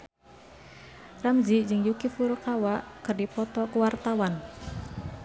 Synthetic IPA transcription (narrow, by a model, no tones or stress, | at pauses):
ramzid͡ʒɨŋjukifurkawaʔkərdipɔt̪ɔkuwart̪awan